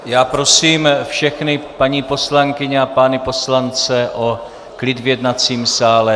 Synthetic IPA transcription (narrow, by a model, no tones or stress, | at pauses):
jaːpɾo̞siːmfʃɛxnɪpaɲiːpo̞slaŋkɪɲɛapanɪpo̞slant͡sɛʔo | klɪd̪vjɛdnat͡siːmsaːlɛ